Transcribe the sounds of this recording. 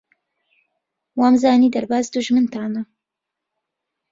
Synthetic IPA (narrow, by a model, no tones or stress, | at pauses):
waːmzaːniːd̪ɐɾbaːzd̪ʊʒmɨnt̪aːnɐ